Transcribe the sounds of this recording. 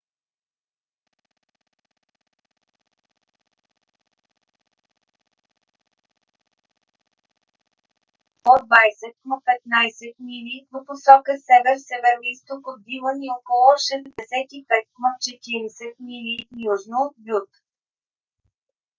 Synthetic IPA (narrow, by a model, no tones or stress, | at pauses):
od̪vajsɛt̪̚mɐpɛt̪najsɛt̪̚milʲivoposɔkəsɛvɛɾsɛvɛɾoist̪okod̪̚d̪ivəniɔkolˠʊʃɛzd̪ɛsɛt̪ipɛt̪̚kmɐt͡ʃɛt̪iɾɛsɛt̪̚milʲijuʒnoot̪̚bʲut̪